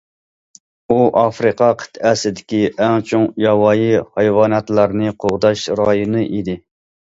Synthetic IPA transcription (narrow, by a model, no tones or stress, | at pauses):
uʔɑfɾɨqʰɑqʰə̥t̪ʰɛsɪd̪ɪkʲiʔɛŋt͡ʃʰoŋjɑwɑːjihɑjwɑːnɑt̪lˠɑɾnɨqʰoʁd̪ɑʃɾɑjonɨʔid̪ɪ